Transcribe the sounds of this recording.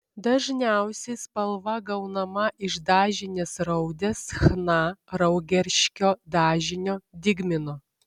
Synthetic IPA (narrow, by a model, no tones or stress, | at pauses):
d̪ɐʒʲnʲæˑʊsʲɛɪspɐlˠʋɐɡɐʊnɐmɐʔɪʃd̪ɑːʒʲɪnʲesɾɐʊd̪ʲesxnɑɾɐʊɡʲɛɾʲʃʲkʲoːd̪ɑːʒʲɪnʲoːd̪ʲɪɡmʲɪnoː